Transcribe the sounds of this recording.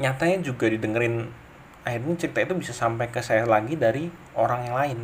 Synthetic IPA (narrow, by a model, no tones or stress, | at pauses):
ɲat̪aɲad͡ʒuɡadidəŋəɾɪn | ahɪrɲat͡ʃik̚t̪ait̪ubisasampajkəsajalaɡidaɾi | ʔoɾaŋjaŋlaɪn